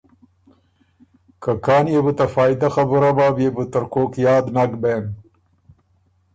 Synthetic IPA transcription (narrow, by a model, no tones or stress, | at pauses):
kakaːnjebut̪ɐfaːjd̪axɐbuɾabaːbjebut̪ɐɾkoːkjaːd̪naɡbeːn